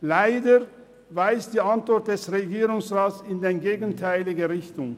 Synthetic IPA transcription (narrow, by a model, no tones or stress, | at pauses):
laɪdə | vaɪsd̥iːantv̥ɔɐt̚d̥ɛsʁeɡiːʁʊŋsʁaːsɪndenɡeːɡn̩tʰaɪlɪɡəʁɪçtʊŋ